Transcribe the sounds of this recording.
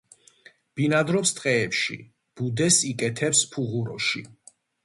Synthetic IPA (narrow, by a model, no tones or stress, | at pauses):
b̥inad̪ɾɔpst̪ʼqʼɛːpʃḭ | b̥ud̪ɛsikʼɛt̪ʰɛpspʰuʁuɾɔ̰ʃi